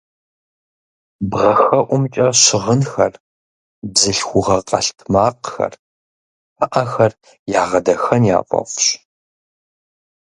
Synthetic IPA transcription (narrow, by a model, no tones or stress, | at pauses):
bʁɐxɐʔʷʊmt͡ʃʼɐɕɪʁənxɐr | bzɨɬxʷʊʁɐqʼɐɬtʰmaːqxɐ̰r | ɐʔɐxɐr | jaːʁɐdɐxɐnja̰ːqʷʼɔ̰fɕ